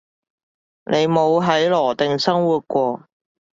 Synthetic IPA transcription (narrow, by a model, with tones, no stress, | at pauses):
nʔe˨˧jmo˨˧wɦɐ˨˥jlɔː˨˩t̪ɪ˨ŋsɐ˥ŋwuː˨t̚kʷɔː˧